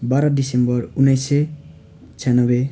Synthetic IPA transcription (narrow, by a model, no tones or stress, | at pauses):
baɾʌdisembʌrunːʌjse | t͡sʰjanʌbe